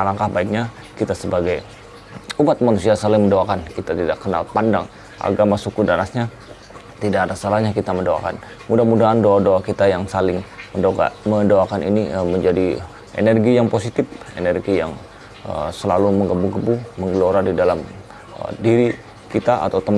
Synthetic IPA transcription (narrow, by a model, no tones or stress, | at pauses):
alaŋkahbaɪk̚ɲa | kit̪asəbaɡaj | umat̪̚manusiasalɪŋməndoakankit̪at̪idakːəna̰lpandaŋ | ʔa̰ɡamasukudaɾasɲa | t̪idaadasalahɲakit̪aməndoa̰ka̰n | mudahmudaɦandoadoakit̪ajaŋsalɪŋməndoka̰mədoakanʔḭniəməɲd͡ʒadi | ʔḛnɛrɡijaŋposit̪ɪfḛnɛrɡija̰ŋ | ə̰səlaluməŋɡəbuɡəbuməŋɡəloɾadidalam̰ | diɾi | kit̪aʔa̰t̪awt̪əm